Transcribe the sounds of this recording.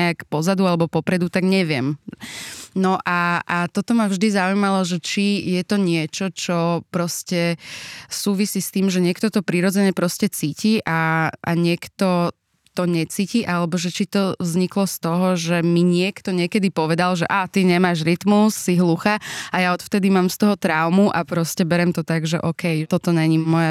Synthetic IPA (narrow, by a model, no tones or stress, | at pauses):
ɛakpɔzad̪ualɛbɔpɔpɾɛd̪ut̪aɡɲɛʋɪɛm | nɔʔaat̪ɔt̪ɔmavʒd̪izaujmalɔʒɛt͡ʃijɛt̪ɔɲɪɛt͡ʃɔt͡ʃɔpɾɔscɛ | suːʋisist̪iːmʒɛɲɪɛkt̪ɔt̪ɔpɾiɾɔd͡zɛɲɛpɾɔscɛt͡siːciːʔaa̰ɲɪɛkt̪ɔ | t̪ɔɲɛt͡siːciʔalɛbɔʒɛt͡ʃit̪ɔzɲiklɔst̪ɔɦɔʒɛmiɲɪɛkt̪ɔɲɪɛkɛd̪ipɔʋɛd̪alʒɛʔat̪iɲɛmaːʒɾit̪musːiɦluxaajaɔt̪ft̪ɛd̪imaːmst̪ɔɦɔt̪ɾaʊmuʔapɾɔscɛbɛɾɛmt̪ɔt̪aɡʒɛʔɔkɛjt̪ɔt̪ɔɲɛɲimɔja